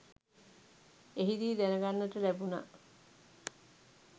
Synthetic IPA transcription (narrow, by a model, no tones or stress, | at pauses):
eɦid̪iːd̪ænəɡanːəʈəlæbuna̰ʔ